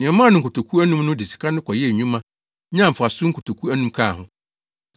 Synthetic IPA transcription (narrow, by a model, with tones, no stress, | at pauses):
nɪ̃˨ɛ̃˨mã˦nʊ̃˨ŋ̩˨kʰʊ˨tʰo˨kʰu˦æ˦nũ˦mnʊ̃˦dɪ˨si̥˨kʰa˦nʊ̃˦kʰɔ˨jɛ˦˨ɲũ˦mã˦ | ɲã˦m̩˨fʊ˨a˨sʊ˦ŋ̩˦kʊ˨tʰo˨kʰu˦æ˦nũ˦mkʰa˦˨ɦʊ̃˦